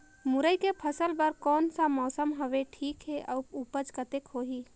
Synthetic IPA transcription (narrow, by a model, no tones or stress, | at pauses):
mʊɾəjkepʰəsəlbəɾkɔːnsamɔːsəmɦəʋeʈʰiːkɦeʔəpupəd͡ʒkət̪ekɦoːɦiː